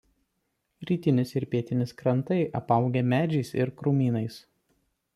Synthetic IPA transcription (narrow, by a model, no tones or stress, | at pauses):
ɾʲiːt̪ʲɪnʲɪsɪɾʲpʲiɛt̪ʲɪnʲɪskɾɐnt̪ɐɪʔɐpɐˑʊɡʲɛmʲæːd͡ʒʲɛɪsɪ̰ɾkɾumʲiːnɐɪs